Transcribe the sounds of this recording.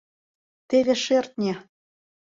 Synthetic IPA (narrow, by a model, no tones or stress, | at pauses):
t̪eβʲeʃert̪̚nʲe